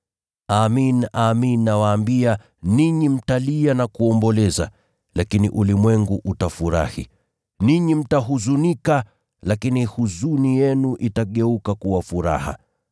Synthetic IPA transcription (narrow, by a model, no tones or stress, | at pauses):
aminaminːawaːmbia | niɲim̩talianakuɔmbɔlɛza̰ | lakiniʔulimwɛŋɡuʔutafuɾa̰hḭ | niɲim̩taɦuzunika | lakinihuzunijɛnuʔitaɠɛukakuwafuɾa̰ha̰